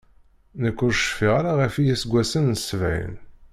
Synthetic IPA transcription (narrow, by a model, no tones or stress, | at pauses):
nəkːʊɾʃfiʁaɾaʁəfijisɡʷːæsənːəsvæ̰jə̰n